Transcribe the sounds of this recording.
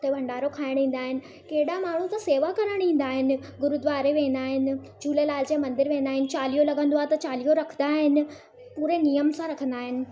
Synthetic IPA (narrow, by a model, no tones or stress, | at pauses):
ʊt̪ʰebʱɐ̃ɳɖaːɾokʰaːɪɽ̃ĩːn̆d̪aːɦɪnɪ̆ | keɦɪɗamaːɳ̤ũt̪ɐseːʋakɐɾəɽ̃ĩːn̆d̪aːɦɪnɪ̆ | ɡʊɾud̪ʋaːɾeʋẽːn̆d̪aːɦɪnɪ̆ | d͡ʑʱuːlelaːld͡ʑẽmɐ̃nd̪ɪɾʋẽːnd̪aːɦɪnɪ̆t͡ɕaːlijolɐɡə̃nd̪oaːɦet̪ɐt͡ɕaːlijoɾɐkʰənd̪aːɦɪnɪ̆ | puːɾenijəmsãɾɐkʰə̃nd̪aːɦɪnɪ̆